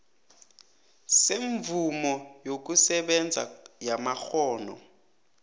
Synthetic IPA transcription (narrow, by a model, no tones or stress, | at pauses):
seɱvʱumɔjok̬usɛɓɛnd͡zʱa̰jamaxɔːnɔ̰